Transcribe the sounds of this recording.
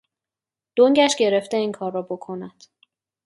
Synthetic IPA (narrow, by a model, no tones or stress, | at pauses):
d̪̥oŋɟæʃɟe̞ɾe̞ft̪eiːŋkʰɒːrːɒːbo̞kʰo̞næd̪̥